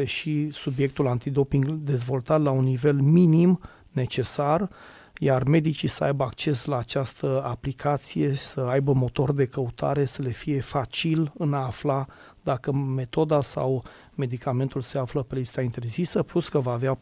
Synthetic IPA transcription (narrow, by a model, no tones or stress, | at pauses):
eʃisubje̞k̚t̪ulant̪id̪o̞piŋɡd̪e̞zvo̞lt̪at̪launːive̞lminim | ne̞t͡ʃe̞sar | jarme̞d̪it͡ʃisəa̰jbəak̚t͡ʃe̞slaːt͡ʃast̪əaplikʰat̪sije̞səajbəmo̞t̪o̞rd̪e̞kəut̪ʰa̰ɾe̞səle̞fije̞fat͡ʃilɨnaːfla | d̪akəme̞t̪o̞d̪asa̰w | me̞d̪ikame̞nt̪ulse̞afləpe̞list̪aint̪e̞rzisəpluskəvaːvea